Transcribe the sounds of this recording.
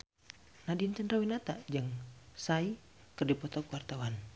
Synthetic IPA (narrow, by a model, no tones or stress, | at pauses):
nadint͡ʃənɾawinat̪ad͡ʒəŋsai | kərdipɔt̪ɔkuwart̪awan